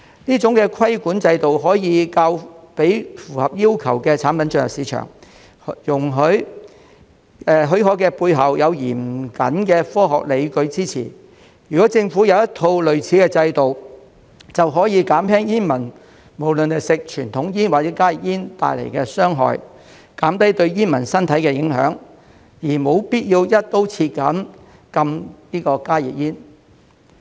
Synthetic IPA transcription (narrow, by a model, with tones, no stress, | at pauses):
niː˥t͡sʊ˨˥ŋkɛː˧kʷʰɐ˥jkuː˨˥nt͡sɐ˧jt̪o˨wɦɔː˨˥jiː˨˧kaː˧wpe˨˥jfuː˨˩hɐ˨p̚jiː˥wkʰɐ˨˩wkɛː˧t͡sʰaː˨˥npɐ˨˥nt͡ʃɵ˧ŋjɐ˨siː˨˥t͡ʃʰœ̰ː˨˩ŋ | jʊ˨˩ŋɦɵ˨˥ | ɛː˨˩ɦɵ˨˥ɥɦɔː˨˥jkɛː˧puː˧jɦɐ˨wjɐ˨˧wjiː˨˩mkɐ̰˨˥nkɛː˧fɔː˥ɦɔ̰ː˨k̚le˨˧jkɵ˨˧˥ɥt͡siː˥t͡sʰḭ˨˩ | jy˨˩kɔː˨˥t͡sɪ˧ŋfuː˨˥jɐ˨˧wjɐ˥t̪ʰo˧wlɵ˨ɥt͡sʰiː˨˧˥kɛː˧t͡sɐ˧jt̪o˨w | t͡sɐ˨wɦɔː˨˥jiː˨˧kaː˨˥mhɛː˥ŋjiː˥nmɐ˨˩n | mo˨˩wlɵ˨ne˨˩sɪ˨k̚t͡ʃʰyː˨˩nt̪ʰʊ˨˥ŋjiː˥nwaː˨˩t͡sɛː˨˥kaː˥ji˨k̚jiː˥nt̪a̰ː˨jlɐ̰˨˩jkɛː˧sœː˥ŋɦɔ̰ː˨j | kaː˨˥mt̪ɐ˦˥jt̪ɵ˧ɥjiː˥nmɐ˨˩nsɐ˥nt̪ʰɐ˨˥jkɛː˧jɪ˨˥ŋɦœ̰ː˨˥ŋ | jiː˨˩mo˨˧wpiː˥t̚jiː˧wjɐ˥t̚t̪o˥wt͡sʰiː˧t̚kɐ˨˥n | kɐ˧mniː˥kɔː˧kaː˥jḭ˨k̚jiː˥n